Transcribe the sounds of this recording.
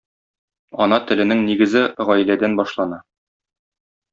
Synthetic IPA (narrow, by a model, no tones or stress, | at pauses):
ɒnɑt̪ɘ̆lɘ̆nɘŋniɡɘ̆zɘʁɒj̆læd̪ænbɒʃlˠɑnɑ